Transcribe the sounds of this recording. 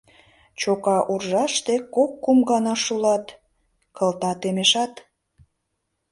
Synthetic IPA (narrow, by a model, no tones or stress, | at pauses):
t͡ɕokɑʔurʒɑʃt̪ekokːumɡɑnɑʃulɑt̪ | kə̆lt̪ɑt̪emeʃɑt̪